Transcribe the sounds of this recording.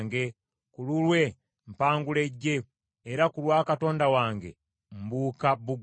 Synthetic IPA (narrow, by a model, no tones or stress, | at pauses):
ŋɡe̞ | kululwe̞ | m̩paːŋɡule̞ɟːe̞ː | ɾakulwaːkato̞ːndawaːŋɡe̞̰ | mbuːkabuɡ